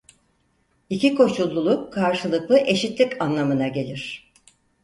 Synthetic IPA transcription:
icikʰo̞ʃulˠːulˠukʰːaɾʃɯlˠɯklˠɯʔe̞ʃit̪lʲicanlˠamɯnaɟe̞lʲiɾ̝̥

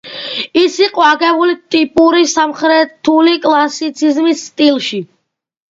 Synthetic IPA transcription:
isiqʼɔaɡɛbulit̪ʼipʼuɾisamχɾɛt̪ʰulikʼlˠasit̪sʰizmisːt̪ʼilˠʃi

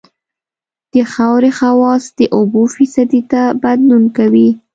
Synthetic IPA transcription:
d̪̥əxawɾexawɑsd̪̥əʔʊbofisad̪et̪abad̪lunkawi

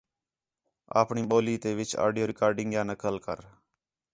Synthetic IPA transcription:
a̰ːpɳiːɓoːliːt̪eːʋɪt͡ʃa̰ːɖɪjoːɾɪkaːɾɖɪŋɡjãːnəkəlkə̰ɾ

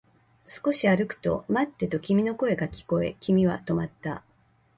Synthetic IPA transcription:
sɨ̥ko̞ɕiaɾɯ̟kɯ̟̥t̪o̞̰mat̪ːe̞t̪o̞kʲimʲino̞ko̞e̞ɡakʲi̥ko̞e̞̰kʲimʲiβa̰t̪o̞mat̪ːa̰

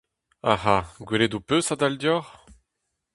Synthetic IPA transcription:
ahaɡweled̪opøsad̪ald̪jɔʁ

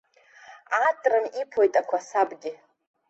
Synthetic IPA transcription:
atʼrɨmipʰojtʼakʷʰasabɡʲi

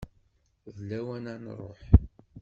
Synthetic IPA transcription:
ðlæwænænrˤo̰ħ

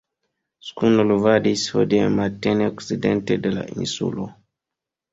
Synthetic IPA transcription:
skunoluvadishodiamatɛnɛɔksidɛ̰̃ntedela̰ʔḭnsṵlo

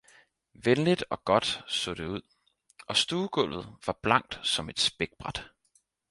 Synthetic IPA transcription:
ʋenlid̥ɒ̽ɡ̥ɒ̽d̥so̰ːd̥e̝uð̰ˠ | ʔɒ̽sd̥uːɡ̥ɔ̽l̰ʋð̞̩ˠʋɑ̈b̥lɑ̈ŋ̰d̥sɒ̽me̝d̥sb̥e̝ɡ̥̚b̥ʁɑd̥

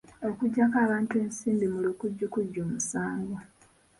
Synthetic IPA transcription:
o̞kuɟːakaːβaːntue̞ːnsiːmbimulokuɟːukuɟːoːmusaːŋɡo

